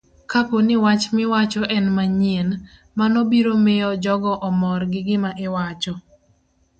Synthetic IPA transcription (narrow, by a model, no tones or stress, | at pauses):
kaponɪwat͡ʃmɪwat͡ʃɔʔɛnmaɲen | manɔbiɾomeɔd͡ʒɔɡɔʔɔmɔrɡɪɡɪmaʔɪwat͡ʃɔ